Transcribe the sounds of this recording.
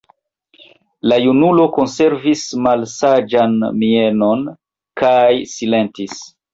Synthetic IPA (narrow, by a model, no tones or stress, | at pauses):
lajunulo̞ko̞nse̞ɾvismalsad͡ʒanmie̞no̞n | kajsile̞ntis